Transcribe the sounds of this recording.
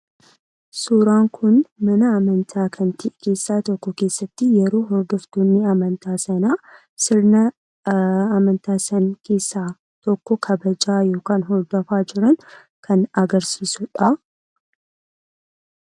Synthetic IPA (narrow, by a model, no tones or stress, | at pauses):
suːɾaːŋkʰʊnmɐnɐɐmɐnt̪ʰaːkʰɐnt̪ʰɪʔke̞ːsːaːt̪ɔkːɔkeːsːɐt̪ːɪjɛɾoːɦɔɾd̪ɔfd̪onːɪɐmɐnt̪aːsɐnaː | sɪɾnɐ | ɐmɐnt̪aːsɐnkʰe̞ːsːaː | t̪ɔkːɔkʰɐbɐd͡ʒaːjoːkaːnɦɔɾd̪ɔfaːd͡ʒɪɾɐn | kʰɐnɐɡɐɾsiːsʊᶑɐ